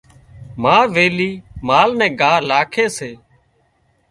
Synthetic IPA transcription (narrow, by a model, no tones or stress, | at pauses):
maːʋeːliːmaːlnɛ̃ːɡaːlaːkʰeːseː